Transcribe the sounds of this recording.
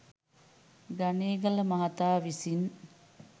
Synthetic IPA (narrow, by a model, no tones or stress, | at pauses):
ɡaneːɡɐləmɐɦɐt̪aːʋisin